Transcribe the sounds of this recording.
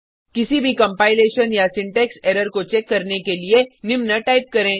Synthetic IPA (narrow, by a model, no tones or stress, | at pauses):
kɪsibʱikɐ̃mpaːɪleːʃənjasɪ̃ɳʈɛːksɛːɾəɾkot͡ʃɛːkːɐɾnekelienɪmnaʈaːɪp̚kɐɾẽː